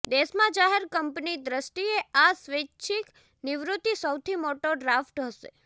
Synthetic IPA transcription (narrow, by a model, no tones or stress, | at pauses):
d̪esmãd͡ʒaɦeɾkəmpnid̪ɾəsʈieasʋeʃʰik | nɪʋɾut̪ːisəwt̪ʰimoʈoɖɾafʈɦəʃḛ